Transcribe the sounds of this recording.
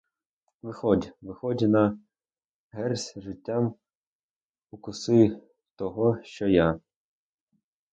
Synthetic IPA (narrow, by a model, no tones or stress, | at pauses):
ʋɪxɔdʲʋɪxɔdʲnɐ | ɦɛrsʲʒɪtʲːam | ʊkʊsɪ | t̪ɔɦɔʃt͡ʃɔja